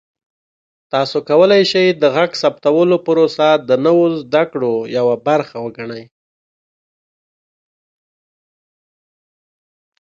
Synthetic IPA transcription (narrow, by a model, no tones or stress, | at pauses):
t̪ɑsokawəlajʃajd̪əɣaɡsap̚t̪awəlopəɾosad̪ənəwozd̪akɽojawabaɾxawəɡaɳəj